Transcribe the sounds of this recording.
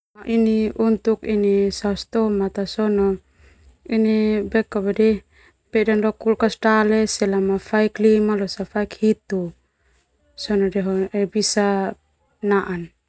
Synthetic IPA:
aʔiniunt̪ukinisaust̪ɔmat̪asɔnɔ | inibɛkabadɛ | pɛdandɔkulkasʈalɛsɛlamafaiklimalɔsafaikhit̪u | sɔnɔdɛɦɔʔɛbisa | naʔan

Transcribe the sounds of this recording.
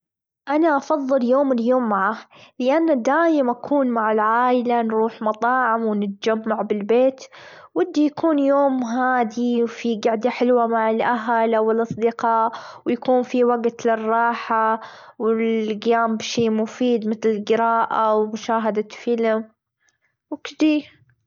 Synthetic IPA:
ʔanaʔɑfɑðˤːɨljoːmɪljoːmːaʕalɪʔanːad̪aːjɪmʔakʰuːnmaʕɪlʕaːjɪlanɾuːħmɑt̪ˤɑːʕɪmwɪnɪt̪d͡ʒamːaʕbɪlbeːt̪ | wɪd̪ːijakʰuːnjoːmɦaːd̪iwfiɡaʕd̪aħɪlwamaʕɪlʔaɦalʔawɪlʔɑsˤd̪ɪqɑːʔwjakuːnfiwaɡt̪lɪrˤːɑːħa | wɪlɡɪjaːmbʃeːmʊfiːd̪mɪt̪lɪlɡɪɾɑːʔawmʊʃaːɦad̪afɪlm | wkd̪iː

